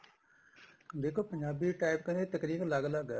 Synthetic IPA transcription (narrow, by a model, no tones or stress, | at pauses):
d̪eːkʰoːpəɲd͡ʒaːbiːʈaːɪpkəneːt̪əkɾiːkləɡləɡɛ